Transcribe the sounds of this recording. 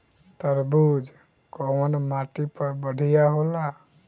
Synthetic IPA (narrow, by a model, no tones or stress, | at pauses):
t̪əɾbud͡ʒ | kɔmɔnɔmaʈipɔbəɖʱijaɦola